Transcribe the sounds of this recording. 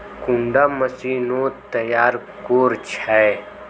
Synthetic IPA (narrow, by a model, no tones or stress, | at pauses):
kʊ̃ɳɖaːməsiːnoːt̪ɐjaːɾ | koːɾt͡ʃʰɛː